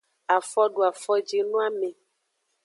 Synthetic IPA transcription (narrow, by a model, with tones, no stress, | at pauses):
a˨fɔ˦ɖu˨a˨fɔ˦d͡ʒi˨nũ˦a˦me˨